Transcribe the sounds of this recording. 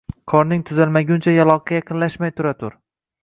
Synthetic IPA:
qʰɒɾnɪŋt̪ʰʊzalmaɡʲʊnt͡ʃʰajalˠɒqʰːɑjɑqʰɨnlaʃmajt̪ʰʊɾat̪ʰʊɾ

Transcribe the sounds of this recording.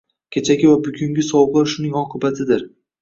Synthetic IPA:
kʲʰet͡ʃʰaɡʲɪvabʊɡʲʊŋɡʲɪsɒwbaɾʃʊnɪŋɒqʰɨbat̪ʰɪd̪ɪɾ

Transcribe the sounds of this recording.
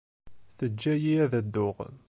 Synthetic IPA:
θəd͡ʒːæjiæðæd̪ːʊʁə̰n

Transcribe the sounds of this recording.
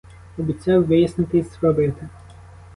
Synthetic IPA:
ɔbʲit͡sʲɑwʋɪjɐsnɪt̪ɪsʋɐbɪt̪ɪ

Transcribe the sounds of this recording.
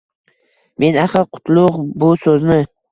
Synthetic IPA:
me̞naχɨɾqʰʊ̥t̪ʰlˠʊqbʊsɵznɪ

